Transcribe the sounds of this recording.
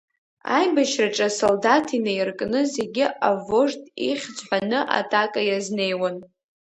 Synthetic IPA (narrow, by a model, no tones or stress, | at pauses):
a̰jbaʃʰraʈ͡ʂʼasoldatʰinejrkʼnɨze̞ɡʲɪʔavo̞ʐtʼḭχʲd͡zħʷanɨʔa̰tʼakʼajazne̞jwan